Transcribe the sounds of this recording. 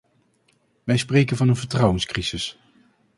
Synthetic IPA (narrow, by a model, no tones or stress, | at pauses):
ʋɛjsprejkənvɑnənvəɹtrɑwənskriz̥ɪs